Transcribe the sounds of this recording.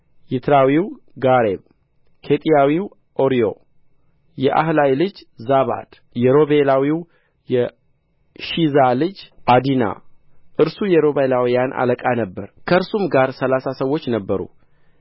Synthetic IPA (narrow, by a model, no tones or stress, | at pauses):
jɪt̪ʰɾawiw | ɡaɾeβ | kʰe̞t̪ʼijawiw | ʔo̞ɾijo̞̰ | jɛʔa̰hlajlɨd͡ʒzaβa̰d̪̥ | jɛɾo̞βelawiw | jɛ | ʃizalɨd͡ʒʔad̪ina̰ʔɨɾsujɛɾo̞βelawijanʔa̰ləkʼanəbːəɾkʰəɨɾsumɡaɾsəlasasəwːo̞t͡ʃːnəbːəɾṵ